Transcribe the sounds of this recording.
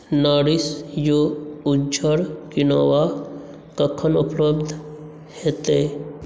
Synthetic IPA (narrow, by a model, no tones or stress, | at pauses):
naɾisjoud͡ʒd͡ʒəɾkinaʋa | kəkʰənupləbd̪ʱ | het̪e